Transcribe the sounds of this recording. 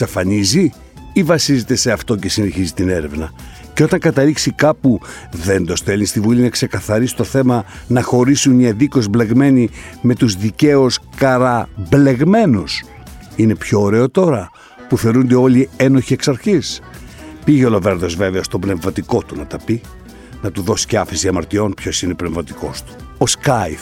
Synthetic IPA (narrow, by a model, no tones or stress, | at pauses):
sɐfɐnizi | ivɐsizet̪e̞se̞ɐft̪o̞ce̞sine̞çizit̪ine̞ɾe̞vnɐ | ceo̞t̪ɐŋkɐt̪ɐliksikɐpu | ðe̞nd̪o̞st̪e̞linst̪ivulinɐkse̞kɐθɐɾisi̥t̪o̞θe̞mɐnɐxo̞ɾisunɲɐðiko̞zble̞ɣme̞nime̞t̪uzðice̞uskɐɾɐble̞ɣme̞nus | ine̞pço̞ːɾe̞ot̪o̞ɾɐ | puθe̞ɾund̪e̞o̞lieno̞çie̞ksɐɾçis | piʝeo̞love̞ɾðozve̞veɐst̪o̞bne̞vmɐt̪iko̞t̪unɐt̪ɐpi | nɐt̪uðo̞si̥ceɐfesiɐmɐɾt̪io̞npço̞sinepnevmɐt̪i̥ko̞̰st̪u̥ | oskɐjf